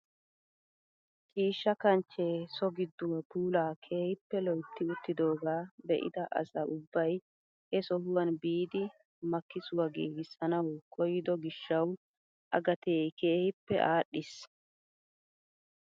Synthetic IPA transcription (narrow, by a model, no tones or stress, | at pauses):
t͡ʃʼiːʃːɐkɐnt͡ʃːeːsɔɡɪd̪ːʊwɐpuːlaːkʰe̞ːhɪpːɛlɔjt̪ːɪʊt̪ːɪd̪o̞ːɡaːbɛ̰ʔɪ̰d̪ɐʔɐ̰sɐʊbːɐj | hɛsɔhʊwɐnbiːd̪ɪ | mɐkːɪsʊwɐɡiːɡɪsːɐnɐwkʰɔjɪd̪ɔɡɪʃːɐw | ʔɐ̰ɡɐt̪e̞ːjke̞ːhɪpːɛ̰ʔaːɗːɪs